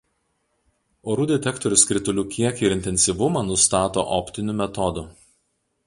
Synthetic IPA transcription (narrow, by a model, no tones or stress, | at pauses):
oːɾuːd̪ʲɛt̪ʲɛkt̪ɔɾʲʊskɾʲɪt̪ʊlʲuːkʲiɛkɪɾɪnʲt̪ʲɛnʲsʲiʋʊmɑnʊst̪ɑːt̪o̰ːʔɔpʲt̪ʲɪnʲuːmʲɛt̪ɔd̪ʊ